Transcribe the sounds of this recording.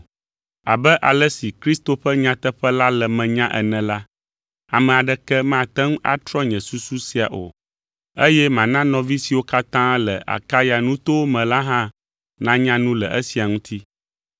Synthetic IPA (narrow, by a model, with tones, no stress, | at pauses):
a̰˨bɛ˦ʔa˨lɛ˦si˨kɾi˦st̪o˨ɸɛ˦ɲã˦t̪ɛ˦ɸɛ˦la˦lɛ˨mɛ̃˨ɲã˦ʔɛ̰˨nɛ̃˨la˦ | a˨mɛ̃˨a˨ɖɛ˦kɛ˦mã˦˨t̪ɛ˦ŋ˦ʔa̰˦t̪ɾɔ˦ɲɛ̃˨su˦su˦si˨a˨ʔo̰˨ | ə˦jɛ˦mã˨nã˦nɔ̃˨vi˦si˨wo˦ka˦t̪ã˦lɛ˨ʔa̰˨ka˦ja˨nũ˦t̪o˦wo˦mɛ̃˨la˦ɦã˦ | nã˦ɲã˦nũ˦lɛ̰˨ʔə˦si˨a˨ŋũ˦t̪ʰi˦